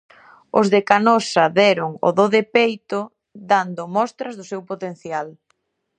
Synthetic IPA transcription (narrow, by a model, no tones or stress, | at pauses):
o̰zðekanɔsɐðɛɾʊŋo̰ðoðepejt̪o | d̪and̪ʊmɔst̪ɾɐzðʊsewpot̪en̟θjal